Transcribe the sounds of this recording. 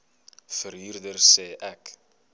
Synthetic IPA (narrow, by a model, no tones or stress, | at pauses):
fəɾɦyrdərsɛːʔɛk